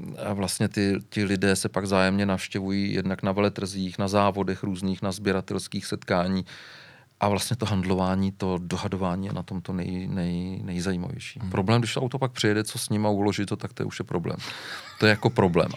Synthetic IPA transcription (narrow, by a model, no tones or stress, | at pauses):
avlast̪ɲɛt̪ɪcɪlɪdɛːsɛpaɡvzaːjɛmɲɛnafʃcɛvujiːjɛ̰dnaknavɛlɛt̪r̩ziːxnazaːvo̞dɛxɾuːzniːxnazbjɛɾat̪ɛlskiːxsɛt̪kaːɲiː | ʔavlastɲɛt̪o̞ɦandlo̞vaːɲiːt̪o̞doɦadovaːɲiːjɛ̰nat̪o̞mt̪onɛjnɛjnɛjzajiːma̰vjɛ̰jʃi̥ːpɾʔoblɛːmɡdɪʃt̪oawt̪opak̚pr̥ɪjɛdɛt͡so̞sɲɪmaulo̞ʒɪt̪ot̪ak̚t̪ojɛ̰uʃjɛpɾoblɛ̰ːmt̪ojɛjako̞pɾo̞blɛ̰ːm